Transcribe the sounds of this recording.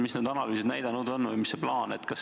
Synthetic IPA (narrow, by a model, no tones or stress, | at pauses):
misned̪̥ɑnɑlyːsed̪næjd̪̥ɑnud̪o̞nːvɨjmisːeplɑːnet̪kɑs